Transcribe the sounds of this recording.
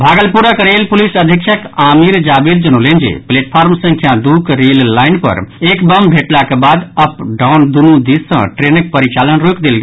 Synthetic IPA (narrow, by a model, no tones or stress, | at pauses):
bʱaɡəlpuɾəkɾelpulisəd̪ʱikt͡ʃʰəkamiɾd͡ʒabid̪d͡ʒənolend͡ʒḛpleʈpʰaɾmsə̃ŋkʰjad̪ukɾelːainpə̰ɾekbəmbʱeʈlakebad̪əpɖawnd̪unũd̪iːə̰̃ʈɾenək̚pəɾit͡ʃalənɾokd̪elɡe